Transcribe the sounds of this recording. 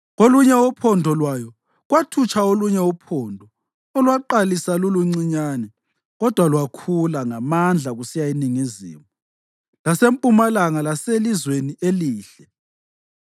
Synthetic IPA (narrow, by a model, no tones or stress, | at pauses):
ɣoluɲɛupʰɔndʱɔlwajɔ | ɣwatʰut͡ʃʰʼaoluɲɛupʰɔːndʱɔ | ɔlwaǃalisaluluŋ͡ǀiɲaːnɛ | ɣɔd̥ʱwalwakʰulaŋamand͡ɮʱaɣusijainiŋizḭːmu | lasempʼumalaŋalaselizweniʔeliːɬɛ